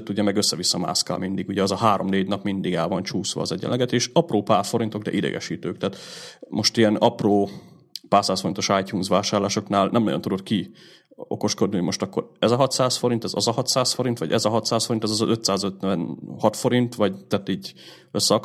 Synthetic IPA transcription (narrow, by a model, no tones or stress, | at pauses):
t̪ːuɟɛmɛɡøsːɛvisːɒma̰ːska̰ːlmind̪iɡuɟɛɛzɒɦaːɾo̞mneːɟnɒpmind̪iɡɛlvɒnt͡ʃuːsʋɒ̰ːzɛɟːɛ̰nlːɛɡɛt̪eːʃɒproːpaːrfo̞ɾint̪o̞ɡd̪ɛ̰ʔid̪ɛ̰ɡɛ̰ʃiːt̪øːkt̪ɛːt̪mʔo̞ʃt̪ijɛnɒproː | paːrsaːsfo̞ɾint̪o̞ʃajcuːnzʋaːʃaːrlaːʃo̞knaːlnɛmnɒɟo̞nt̪ud̪o̞t̪̚ki | o̞̰ko̞ʃko̞d̪niumo̞ʃt̪ɒkːo̞̰ɾɛzɒɦɒt̪saːsfo̞ɾint̪ɛzɒzɒɦɒt̪saːsfo̞ɾint̪ʋɒ̰ɟɛzɒɦɒt̪saːsfoint̪ɛzɒzɒʔø̞t̪saːzøt̪ɛnhɒt̪fo̞ɾint̪ʋɒɟt̪aːt̪iːɟ | ø̞sːɛɒk